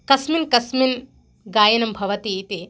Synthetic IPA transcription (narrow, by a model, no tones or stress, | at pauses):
kɐsminkɐsmin | ɡaːjɐnɐmbʱɐʋɐt̪it̪i